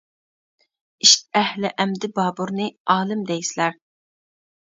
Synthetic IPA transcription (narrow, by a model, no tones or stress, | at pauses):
iʃʲɛhlɪʔɛmd̪ɪbɑːbuɾnɨɑːlˠɨmd̪ɛjsɪlæɾ